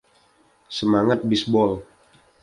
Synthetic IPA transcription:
səmaŋat̪̚bisbɔl

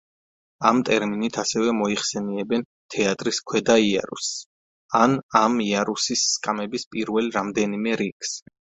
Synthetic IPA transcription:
amt̪ʼɛɾminit̪ʰasɛvɛmɔiχsɛniɛbɛn | t̪ʰɛat̪ʼɾiskʰwɛd̪aia̰ɾṵs | anamiaɾusisːkʼamɛbispʼiɾvɛlɾamd̪ɛnimɛɾikʰs

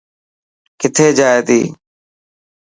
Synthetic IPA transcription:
kɪt̪ʰeːd͡ʒaːeːt̪ḭː

